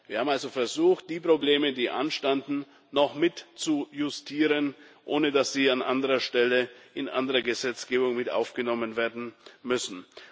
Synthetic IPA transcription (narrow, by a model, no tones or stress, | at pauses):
viːɐhaːbm̩alzofɛɐzuːxt̚d̥iːpʁ̥obleːmədiːʔa̰nʃtandn̩ | nɔχmɪtt͡sujʊstʰiːʁənʔoːnədasz̥iːanʔandəʁɐʃtɛləʔɪnʔa̰ndəʁɐɡəzɛt͡sɡ̥eːbʊŋmɪtʔa̰ʊfɡ̥ənɔmənveːɐdn̩mʏsn̩